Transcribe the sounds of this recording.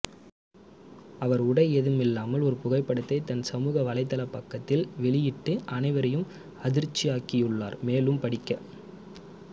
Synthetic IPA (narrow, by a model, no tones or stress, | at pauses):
ɐʋɐɾʊɽɐɪɛðɯmɪlːaːmɐlɔɾɯpʊɣɐɪpːɐɽɯt̪ːɐɪt̪ɐnsɐmuːɣɐʋɐlɐɪt̪ːɐlɐpːɐkːɐt̪ːɪlʋɛɭɪjɪʈːɯʔɐnɐɪʋɐɾɐjɯm | ɐðɪɾt͡ʃːɪjaːkɪjɯɭːa̰ːɾmeːlɯmpɐɽɪkːɐ